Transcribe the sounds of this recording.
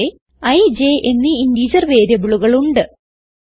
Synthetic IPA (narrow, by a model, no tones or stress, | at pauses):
e | ɐjd͡ʑeʔenːiindiːd͡ʑɐrʋe̞ːɾjɐbuɭuɣɐɭuɳɖɨ